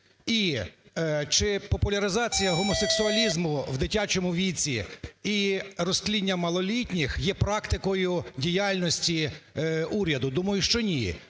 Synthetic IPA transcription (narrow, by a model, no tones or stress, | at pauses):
i | t͡ʃɪpɔpʊlʲɐɾɪzɑt͡sʲijɐɦɔmɔseksʊɐlʲizmʊwd̪ɪtʲat͡ʃɔmʊʋʲit͡sʲiirɔsklʲidʲnʲːɐmɐlˠɔlʲitʲnʲɪxjɛpɾɑkt̪ɪkɔjʊdʲijalʲnɔsʲtʲi | uɾʲɐd̪ʊd̪umɐjʊʃt͡ʃɔnʲi